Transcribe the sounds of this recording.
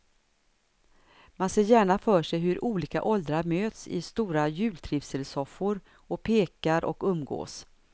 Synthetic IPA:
manseːɾjæːɳafœːʂɛjɦɵɾʔuːliːka̰ʔɔld̪ɾaɾmøːt̪sɪ̰st̪uːɾajʉ̟ːlt̪ʰɾɪfsəlsɔfːʊɾ | ɔpʰeːkaɾʔɔ̰kɵmːɡo̰ːs

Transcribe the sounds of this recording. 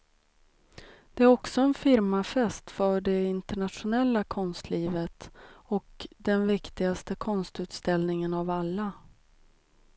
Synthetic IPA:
d̪̥ɛæɾɔksɔɛnfɪɾmafɛst̪fœɖɛɪnt̪əɳat̪ʂʊnɛlːakʰɔnst̪ʰliːvət̪ɔkd̪ɛnvɪkt̪ɪɡast̪əkʰɔnst̪ʉ̟ːt̪st̪ɛlnɪŋənavalːa

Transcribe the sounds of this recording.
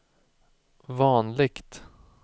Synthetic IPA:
vɑːnlɪɡt̪

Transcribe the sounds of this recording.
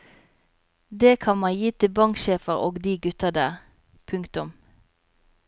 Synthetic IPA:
d̪eːkʰɑnmɑnjiːt̪ʰɪbɑŋʃeːfəʁoːɡd̪iːɡʉt̪əd̪æːʁ | pʰʉŋkt̪ʊm

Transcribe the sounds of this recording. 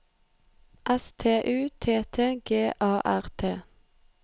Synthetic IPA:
ʔɛst̪ʰeːʔʉːt̪ʰeːt̪ʰeːɡeːʔɑːʔæʁt̪ʰeː

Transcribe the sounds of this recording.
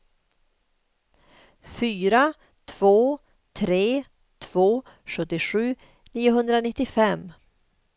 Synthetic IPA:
fyːɾa | t̪ʰv̥oː | t̪ʰɾeː | t̪ʰv̥oː | ɧɵt̪ːɪɧʉ̟ː | niːʊɦɵnd̪ɾanɪt̪ːɪfɛmː

